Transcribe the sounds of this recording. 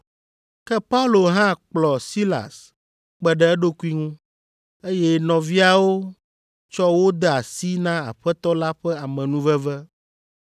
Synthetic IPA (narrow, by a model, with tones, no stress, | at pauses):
kɛ˦pa˦u˦lo˨ɦã˦k͡plɔ˨si˦la̰˨s | k͡pɛ˨ɖɛ˨˦ɛ˦ɖo˦ku˦i˦ŋũ˦ | e˦jɛ˦nɔ̃˨vi˦a˨wo˦ | t͡ʃɔ˦wo˦d̪ɛ˦˨a˨si˦nã˦a̰˨ɸɛ˦t̪ɔ˦la˦ɸɛ˦a˨mɛ̃˨nũ˦vɛ˦vɛ˦